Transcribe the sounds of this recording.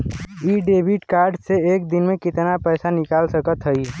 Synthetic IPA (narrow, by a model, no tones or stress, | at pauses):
iɖeːbʱiʈkaːɾɖseeːk̚d̪ɪnmẽkɪt̪napɛːsanɪkaːlsəkət̪ɦəi